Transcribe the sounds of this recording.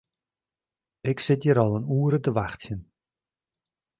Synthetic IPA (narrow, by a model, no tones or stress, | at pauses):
ɪksɪtjəɾɔlˠənuːəɾətəʋaxtjən